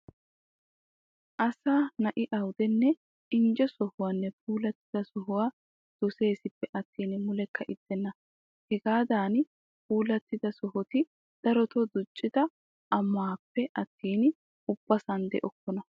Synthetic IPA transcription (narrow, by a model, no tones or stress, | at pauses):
ʔɐsaːnɐʔɪʔɐwd̪ɛnːɛ | ʔɪnd͡ʒɔsɔhʊwaːnːɛpʰuːlɐt̪ːɪd̪ɐsɔɦʊwaː | d̪̥ɔse̞ːsɪpːɛʔɐt̪ːiːnmʊlɛkːɐʔɪd̪̥ːɛnːɐ | hɛɡaːd̪aːn | puːlɐt̪ːɪd̪ɐsɔɦɔt̪ɪ | d̪̥ɐɾɔt̪ɔd̪ʊt͡ʃʼːɪd̪ɐ | ʔɐmːaːpːɛʔɐt̪ːiːn | ʊb̥ːɐsɐnd̪ɛ̰ʔɔkːɔnɐ